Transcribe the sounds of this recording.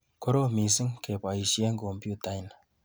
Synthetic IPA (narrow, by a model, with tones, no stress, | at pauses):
ko˦ɾo˦mi˨si˦ŋke˨pa˨i˨ʃi˦e˦ŋɡo˨mbju˦ta˦jn